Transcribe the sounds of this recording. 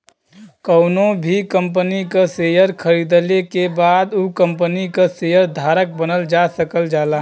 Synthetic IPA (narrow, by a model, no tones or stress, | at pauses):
kəʊnobʱikə̃mp̬ənikaseːjəɾkʰəɾid̪əlekebaːd̪ukəmpənikaseːjəɾd̪ʱaːɾək̚bənəld͡ʒasəkəld͡ʒaːlaː